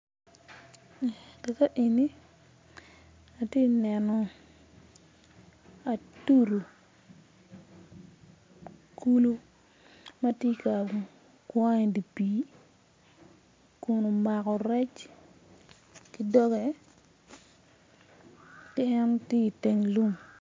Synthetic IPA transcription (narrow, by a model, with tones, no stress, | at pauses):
kɛ˨ka˦ʔi˨ni˦ | a˨tje˦nɛ˨nɔ˨ | a˨tu˦ɾo˨ | ku˦lu˦ | ma˦tje˦ka˨ | kwa˦ŋɛ˨di˨piː˨ | kʊ˨no˨ma˨kɔ˨ɾɛ˦t͡ʃ | ki˦dɔ˦ɡɛ˨ | kɪ˦ɛ˦nte˦i˨te˨ŋlu˦ŋ